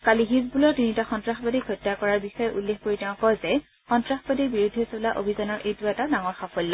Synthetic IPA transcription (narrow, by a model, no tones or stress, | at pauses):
kaliɦizbulɔɹtinitaxɔntɹaxbadikʰɔtːakɔɹaɹbixɔjɛʔulːexkoɹitɛʊ̃kɔjzɛ | xɔntɹaxbadibiɹudʱɛsolaʔo̰bʱizanɔɹʔejtuatanaŋɔɹxafɔllɔ